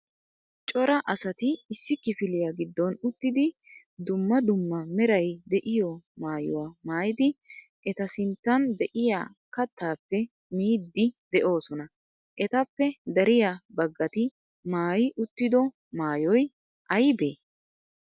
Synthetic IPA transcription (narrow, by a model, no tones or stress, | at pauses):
t͡ʃʼɔɾɐʔɐsɐt̪ɪɪsːɪkːɪfɪlɪjaɡɪd̪ːɔnʊt̪ːɪd̪ɪd̪ʊmːɐd̪ʊmːɐmɛɾɐjd̪ɛʔɪjɔmaːjʊ̰wamaːjɪd̪ɪʔɛt̪ɐsɪnt̪ːɐnd̪ɛʔɪjaː | kɐt̪ʰːaːpːɛ | miːd̪ːɪd̪ɛʔo̞ːsɔnɐ | ʔɛt̪ɐpːɛd̪ɐɾɪjabɐɡːɐt̪ɪ | maːjɪʔʊt̪ːɪd̪ɔ | maːjɔj | ʔɐjbeː